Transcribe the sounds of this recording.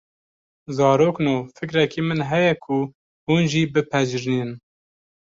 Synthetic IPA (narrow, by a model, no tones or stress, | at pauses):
zɑːɾoːknoːfɨkɾɛkiːmɨnɦɛjɛkʰu | huːnʒiːbɨpʰɛʒɨɾniːn